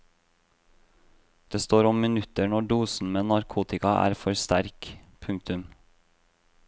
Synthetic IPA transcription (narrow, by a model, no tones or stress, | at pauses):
d̪̥eːst̪oːɾɔmmɪnʉt̪əɳɔɖuːsn̩meːnɑɾkʰuːt̪ɪkɑʔæ̰ːɾfɔɾst̪æɾkpʰʉŋ̚t̪ʉm